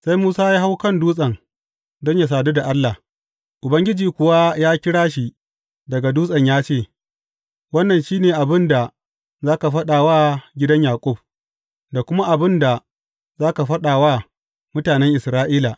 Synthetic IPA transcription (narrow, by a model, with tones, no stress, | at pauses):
sa˦jmuː˦saː˦jaː˦ɦa˦wkɐ˦nduː˦sʼɐ˨ŋ | dɔ˦ɲja˨s̬aː˨du˦da˨ʔa˦lːa˨h | ʔʊ˨bɐ˦ŋɡʲɪ˦d͡ʒiː˨kʷʊ˨wa˦jaː˦kʲɪ˦ɽaː˦ʃi˨ | dɐ˨ɡa˨duː˦sʼɐ˨ɲjaː˦t͡ʃeː˦˨ | wɐ˦nːɐ˨nʃiː˦neː˨ʔa˨bɪ˦nda˨ | zaː˦ka˨ɸɐ˦ɗaː˨waː˦ɡʲɪ˦dɐ˦ɲjaː˨kʷʼʊ˦˨b̚ | da˨kʷʊ˦ma˦ʔa˨bɪ˦nda˨ | zaː˦ka˨ɸɐ˦ɗaː˨waː˦ | mʊ˦taː˨nɛ˦ŋʔɪ˨sɾaː˦ʔiː˦la˨